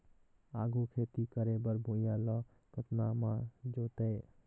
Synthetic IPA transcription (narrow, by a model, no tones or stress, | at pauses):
aːɡukʰeːt̪ikəɾebəɾbʱõjalɔ | t̪ət̪namãd͡ʒoːt̪eː